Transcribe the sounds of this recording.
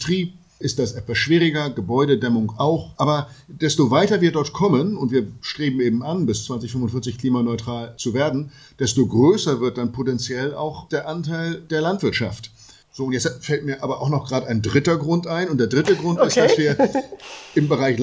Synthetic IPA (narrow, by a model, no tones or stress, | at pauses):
tʁ̥iːp | ʔɪst̚d̥asʔɛtv̥asʃv̥iːʁɪɡɐɡəbɔʏɾədɛmʊŋʔaʊxʔaːbɐd̥ɛstovaɪtɐviːɐdɔɐtkʰɔmənʊntv̥iːɐʃtʁ̥eːbm̩eːbm̩anbɪst͡sv̥ant͡sɪçfʏmvʊnfɪɐt͡sɪçkl̥iːmanɔʏtʁ̥aːlt͡suveːɐdn̩ | d̥ɛstoɡʁøːsɐvɪɐt̚d̥anpʰotɛnt͡sjɛla̰ʊxd̥eːɐʔantʰaɪldeːɐlantv̥ɪɐtʃa̰ft | z̥oːʊntjɛt͡sfɛlt̚miːɐʔaːbɐʔaʊxnɔχɡ̥ʁaːdəaɪndʁɪtɐɡʁʊntʔaɪnʊnt̚d̥eːɐdʁɪtəɡʁʊntɪstd̥asviːɐ | ʔɪmbəʁaɪç